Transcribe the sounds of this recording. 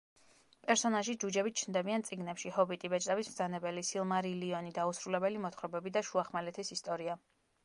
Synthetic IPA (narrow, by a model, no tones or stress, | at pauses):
pʼɛɾsɔnaʒid͡ʒud͡ʒɛbit̪̚t͡ʃʰnd̪ɛbiant̪sʼiɡnɛpʃihɔbit̪ʼibɛt͡ʃʼt̪abismd̪zanɛbɛlisilˠmaɾiliɔnid̪ausɾulɛbɛlimɔt̪ʰχɾɔbɛbid̪aʃuaχmalɛt̪ʰisist̪ʼɔɾia